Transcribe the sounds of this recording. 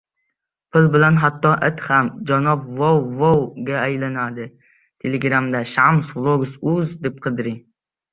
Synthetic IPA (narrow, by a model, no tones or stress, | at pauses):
pʰɪlˠbɪlɛnɦɑt̪ːɑʔɛt̪χɛmd͡ʒɑnɑpvowvowɡʲɛɛjlˠɨnɑd̪ɨ | t̪ʰeleɡɾɑmd̪ɛʃɑmsvlˠoɡusuzd̪ɪp̚qʰəd̪ɨɾɨ